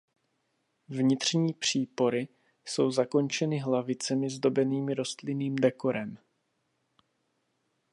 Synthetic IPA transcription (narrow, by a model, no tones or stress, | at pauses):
vɲɪt̪r̝̥ɲiːpr̝̥iːpo̞ɾɪ | so̞wzako̞nt͡ʃɛnɪɦlavɪt͡sɛmɪzdo̞bɛniːmɪɾo̞st̪lɪniːmdɛko̞ɾɛm